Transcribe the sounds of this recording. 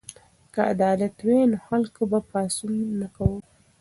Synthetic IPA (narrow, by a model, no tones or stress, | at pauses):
kaa̰d̪ɑlat̪wenoxalkobapɑsunnakawə